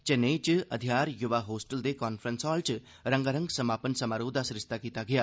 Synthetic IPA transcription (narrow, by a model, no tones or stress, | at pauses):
t͡ʃeneːt͡ʃɨɐ̰d̪ʱjaːɾjuʋaːɦoːsʈəld̪ekaːnfʰɾənsɔːlt͡ʃɨ | ɾɐŋɡaɾəŋɡsɐmaːpənsɐmaːɾoːd̪asɾɪst̪akiːt̪aɡjaː